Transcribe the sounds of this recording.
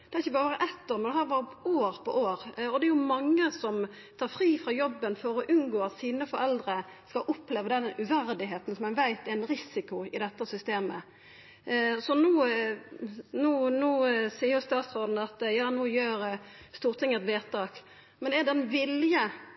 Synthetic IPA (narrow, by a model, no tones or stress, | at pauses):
d̪ɛæɾɪçːəbɑːɾəʋɑɾəʔɛt̪ːoːɾmɛnd̪ɛhɑːɾʋɑːɾəoːɾpʰɔʔoːɾɔd̪ɛɛɾjʊmɑŋːəsɔm | t̪ʰɑːɾfɾiːfʁɑːjɔbːənfɔɾɔʔʉnɡoːɑt̪siːnəfɔɾɛld̪ɾəskɑlʔɔpːleːʋəd̪ɛnʉʋæɾd̪ɪɦeːt̪n̩sɔmɛnʋæɪt̪ɛɾnɾɪsɪkʊɪd̪ɛt̪ːəsʏst̪eːmə | sɔnuː | nuːnuːsiːɾjʊst̪ɑːt̪sɾoːd̪n̩ɑt̪jɑːnuːjøːɾ | st̪uːɾt̪ʰɪŋːɛt̪ʋeːt̪ɑːk | mɛnɛɛd̪ɛnʋɪljə